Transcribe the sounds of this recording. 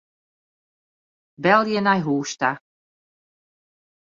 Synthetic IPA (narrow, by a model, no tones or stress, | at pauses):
bɛlˠjɛnajɦuːʃt̪a